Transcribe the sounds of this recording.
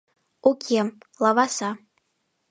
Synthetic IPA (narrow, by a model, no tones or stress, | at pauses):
ukʲʰemlavasa